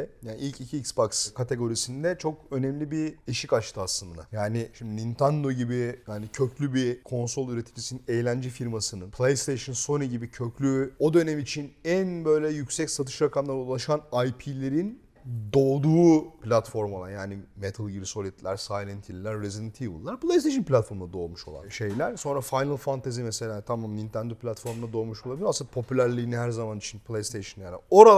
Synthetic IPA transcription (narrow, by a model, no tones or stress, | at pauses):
jaːniilʲcicʰiːksbakskʰat̪ʰe̞ɡo̞ɾisind̪ɛt͡ʃʰo̞kø̞nɛmlʲibieʃikat͡ʃt̪ʰɯaslˠɯnd̪a̰jaːnɪʃimd̪inint̪ʰænd̪o̞ɟibijaːnicʰø̞cʰlʲybikʰo̞nso̞lˠyɾet̪ʰid͡ʒisininejlʲænd͡ʒɛfiɾmasɯnɯnpʰlˠejst̪ʰejʃɯnso̞niɟibicʰø̞cʰlʲyo̞d̪ø̞nɛmit͡ʃʰinænbø̞jlʲɛjycsɛcsat̪ʰɯ̥ʃɾakʰamlˠaɾaulˠaʃanajpʰilʲe̞ɾin | d̪o̞ːd̪uːpʰlʲat̪fo̞ɾmoa̰njaːnimet̪ʰalˠɡiɾso̞lʲit̪ʰlʲæɾsajlʲˠant̪ʰilʲlʲæɾːezid̪nt̪ʰivɯ̰lˠːaɾplˠejst̪ʰeʃɯnpʰʲlʲat̪fo̞ɾmunad̪o̞ːmuʃolˠa̰nʃe̞jlʲæɾ̥so̞nɾafajnalˠfant̪ʰazimese̞lʲaːt̪ʰamamint̪ʰænd̪opʰlʲat̪fo̞ɾmunad̪o̞ːmuʃolˠabilʲiɾoasɯnapʰo̞pʰylʲæɾlʲiːniɦæɾzamanit͡ʃʰinpʰlʲˠejst̪ʰejʃɯnlʲæɾɛ̰o̞ɾa